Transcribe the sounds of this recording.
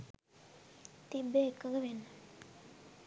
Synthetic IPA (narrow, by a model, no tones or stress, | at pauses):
t̪ibeːkːəkɡəʋenːə